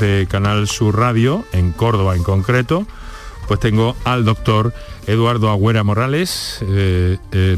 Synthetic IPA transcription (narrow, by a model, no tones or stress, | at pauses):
ðekanalsuraðjoeŋko̞ɾðoβaeŋkõ̞ŋkɾet̪o | pwe̞st̪e̞ŋɡoald̪o̞k̚t̪o̞ɾ | eðwaɾðoaɣwe̞ɾamo̞ɾales